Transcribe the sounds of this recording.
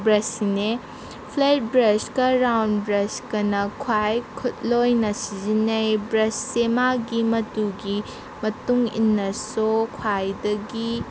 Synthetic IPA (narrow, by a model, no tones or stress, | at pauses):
bɾɐsine | pʰlejt̚bɾɐskɐɾawnbɾɐskɐnɐkʰwajkʰut̚lojnɐsizinejbɾɐsːemaɡimɐtuɡi | mɐtuŋḭnːɐsokʰwajdɐɡi